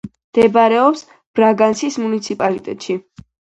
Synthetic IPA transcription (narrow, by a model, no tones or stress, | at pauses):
md̪̥ɛbaɾɛɔps | b̥ɾaɡansʰismunit̪sʰipʼalit̪ʼɛt̪ʼʃi